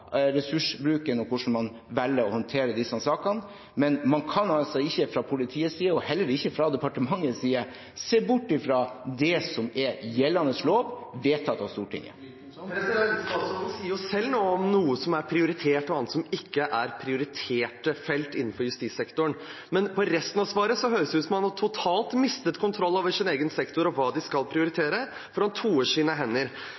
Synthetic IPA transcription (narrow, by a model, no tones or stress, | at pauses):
ɾɛsʉʂbɾʉːkənɔkʰʊʂɳ̩mɑn | ʋɛlːəɔhɔnt̪ʰeːɾəd̪ɪsɑsɑːkɑn | mɛnmɑnkʰɑnɑsɛɪɪçːəfɾɑpʰʊlɪt̪ʰiːəsiːəɔhɛlːəɾɪçːəfɾɑd̪ɛpɑʈəmɑŋːəsiːə | seːbʊʈːɪfɾɑd̪ɛsɔmɛjɛlːɑnəsloːʋʋeːt̪ʰːɑt̪ːɑʋst̪uːʈʰɪ̰ŋːə̰ | sɔsiːəɾjʊsɛlːnoːɔmnuːəsɔmæɾpʰɾɪʊɾɪt̪ʰeːʈɔɑnt̪sɔmɪkːəʔæɾpʰɾɪʊɾɪt̪ʰeːʈəfɛlt̪ɪnːn̩fɔɾjʉst̪iːt̪sɛkt̪ʊəɳ | mɛnpʰɔɾɛst̪ənɑʋsʋɑːɾəsɔɦœʏɾsʉːsmɑnɑt̪ʰʊt̪ʰɑːlt̪mɪst̪ət̪kʰʊnt̪ʰɾɔlːɑʋəʂɪneːɡənsɛkt̪ʊɾɔʋɑːd̪ɪskɑlpʰɾɪʊɾɪt̪ʰeːɾə | fɔɾɑnt̪ʰuːəːʂiːnəɦɛnːəɾ